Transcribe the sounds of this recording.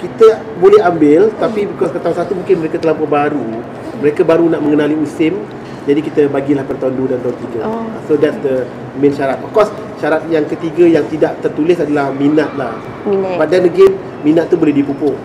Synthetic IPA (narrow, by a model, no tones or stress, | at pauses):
kit̪ə | bolɛɦambɪlt̪apibəkɔspət̪aɦunsat̪umũŋkɪnməɾekat̪əlaupkɔbaɾu | məɾekabaɾunaʔmə̃ŋənaliusɪm | d͡ʒadikit̪əbaɡilahpərt̪aundudant̪aunt̪iɡəsodɛtsdə | mẽnʃaɾat̪̚ɔfkɔs | ʃaɾat̪̚jaŋkət̪iɡəjaŋt̪idaʔt̪ərt̪ulɪsadalahminat̪̚lah | padandəɡɪm | minat̪̚ːubolɛhdipupʊ